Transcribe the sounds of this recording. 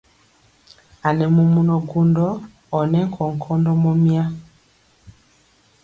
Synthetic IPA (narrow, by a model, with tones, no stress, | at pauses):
a˨nɛ˨mu˨mu˨nɔ˨ɡu˨ndɔː˦˨ | nɛ˦ŋ˦kʰɔ˨ŋ̩˨kʰɔ˦ndɔ˦mɔ˦mi˦a˦